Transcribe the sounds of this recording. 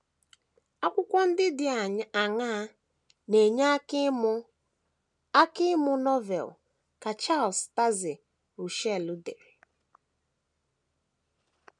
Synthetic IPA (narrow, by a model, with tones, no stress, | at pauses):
a˦kʷʊ˦kʷɔ˦n̩˦dɪ˦dɪ˨a˨ŋa˦ | ne˨ɲa˦km˦ | a˦kɪ˦mʊ˦nɔ˦vɛ̰˨l | ka˨t͡ʃa˦˨lsta˦zɪ˨ | ɾu˨ʃɛ˦˨lu˦de˨ɾe˨